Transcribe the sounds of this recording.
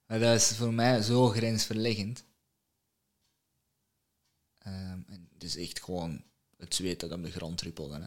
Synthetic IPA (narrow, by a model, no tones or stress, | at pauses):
madɑɪsvoːrmɛjzoːɣrɛnsfərlɪɣənt | əmɛntɪsɛxtxəʋoːn | ətsʋeːtdɑdɔmdəɣrɑ̰ntrypəlˠə̰n